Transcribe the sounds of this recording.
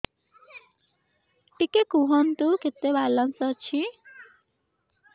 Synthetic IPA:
ʈikekuɦʌnt̪uket̪ːebalːʌnsʌt͡ʃʰi

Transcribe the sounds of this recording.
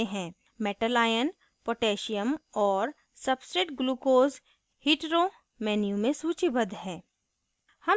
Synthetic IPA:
eɦɛ̃ː | mɛʈəlaːjən | poːʈeːʃijəmɔːɾ | sɐbsɾeːʈɡluːkoːz | hiːʈɾo | mɛːnjumẽsuːt͡ʃibɐd̪ɦɛ̃ː | hɐm

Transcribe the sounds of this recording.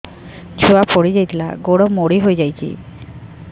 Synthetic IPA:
d͡ʒʰuapʰoɽid͡ʒajt̪ʰila̰ɡoɽɔmoɽiɦojd͡ʒajt͡ʃʰḭ

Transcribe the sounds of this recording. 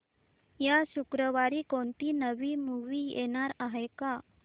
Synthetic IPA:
jaɕukɾəʋaɾiːkoɳʈiːnəʋiːmuʋiːjḛɽ̃aɾaɦɛka

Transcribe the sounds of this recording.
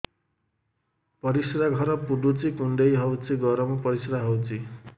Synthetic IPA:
pʌɾisɾaɡʱʌɾʌpuɖut͡sikuɳɖʌjɦʌwt͡siɡʌɾʌmupʌɾisɾaɦʌwt͡si

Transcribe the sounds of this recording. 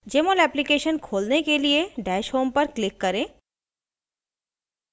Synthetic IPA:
d͡ʒeːmolɛːplikeːʃənkʰoːlnekelieɖɛːʃɦoːmpɐɾklɪkːɐɾẽː

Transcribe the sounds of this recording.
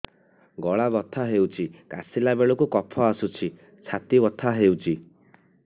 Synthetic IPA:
ɡɔɭabɔt̪ʰaɦewt͡ʃʰika̰silabeɭɔkukɔpʰɔasut͡ʃʰi | t͡ʃʰat̪ibɔt̪ʰaɦewt͡ʃʰi

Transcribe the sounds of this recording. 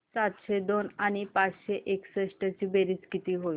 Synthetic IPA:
sat̪ɕed̪onaɽ̃ipat͡sɕeʔeksəɕʈət͡ɕiːbeɾiːt͡skit̪iːɦoi

